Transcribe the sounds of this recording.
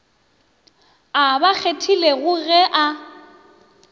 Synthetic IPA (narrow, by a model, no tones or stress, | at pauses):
abak͡xʰetʰileɣʊɣɛʔa